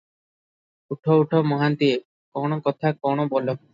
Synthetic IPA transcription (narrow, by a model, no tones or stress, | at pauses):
uʈʰouʈʰomɔɦant̪ie | kɔɽ̃okɔt̪ʰakɔɽ̃obɔlo